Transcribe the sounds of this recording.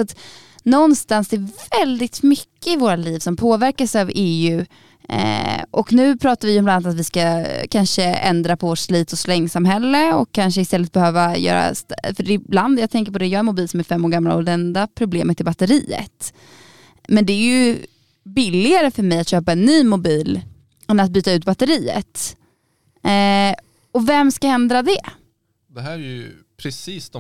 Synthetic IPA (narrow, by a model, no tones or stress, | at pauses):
sat̪ | nɔnst̪ansd̪ɛːvɛld̪ɪt̪mʏkːəɪvoːɾaliːvsɔmpʰoːvæɾkasaveːʉ̟̰ː | ʔɔknʉ̟ːpʰɾɑːt̪aɾvɪjɔmlanːat̪at̪vɪskakʰanʂəɛ̰nd̪ɾapʰɔvoːʈslyːt̪ɔslɛŋːsamhɛlːəɔ̰kʰːanʂəɪst̪ɛlːət̪̚bɛhøːvajœ̰ːɾa̰st̪fœɖɛɪbland̪jɑːɡ̚t̪ʰɛŋk̬əɾpɔd̪ɛjɑːɡɛnmʊbiːlsɔmɛɾfɛmːoːɾɡamːla̰ɔd̪ɛnd̪apʰɾʊbleːmət̪ʰːɪlbat̪ːəɾiːə̰t̪ | mɛnd̪ɛːɾjɵ | bɪlːɪɡaɾəfœɾmɛjat̪ɕøːpaɛnːyːmʊbiːl | ɛnat̪̚byːt̪aʉ̟ːt̪̚bat̪ːəɾiːə̰t̪ | ɔvɛmskahɛnd̪ɾad̪ɛ | d̪ɛɦæːɾɛjɵ | pʰɾɛsiːsd̪ɔ